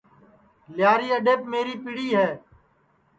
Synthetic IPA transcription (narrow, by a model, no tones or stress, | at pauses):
lɪjaːɾiːəɗeːpmeːɾiːpiɽiːɦɛː